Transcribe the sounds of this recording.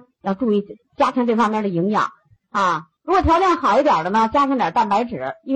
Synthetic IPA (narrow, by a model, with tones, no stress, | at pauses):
jɑ˥˧ʊʈ͡ʂu˥˧i˥˩˥ | t͡ɕja˥t͡ɕ̪ʰjŋʈ͡ʂ̪ɤ˥˩ɪfɑ˥ŋmjɛ˥˩nd̪ə˩ji˧˥ŋjɑ̰˨˩˦ŋ | a˥˧˩ɻu˧˥kwɔ˨˩jɑ˧˥ʊt͡ɕjɛ˥˩nxɑ˨˩ʊi˥˩t̪jɑ˨˩d̪ə˦nə˧t͡ɕja˥t͡ɕ̪ʰjŋt̪jɑ̰˨˩t̪a˥˩npa˧˥ɪʈ͡ʂɻ̩˨˩˦i˥